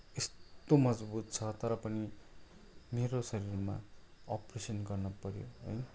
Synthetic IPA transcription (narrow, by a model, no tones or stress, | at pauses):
est̪omʌd͡zbut̪̚t͡sʰʌt̪ʌɾʌpʌni | meɾosʌɾirma̰ʌpresʌnɡʌrnʌpʌɾjo̰ɦʌ̰j